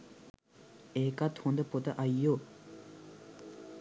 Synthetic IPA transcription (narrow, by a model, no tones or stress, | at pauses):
ekat̪ʰõnd̪əpot̪əʔajːo